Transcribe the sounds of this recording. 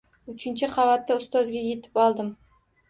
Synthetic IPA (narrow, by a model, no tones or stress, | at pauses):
ʊt͡ʃʰɪnt͡ʃʰɪχavat̪ːaʊst̪ɒzɡʲaje̞t̪ʰɪ̥pɒlˠd̪ɪm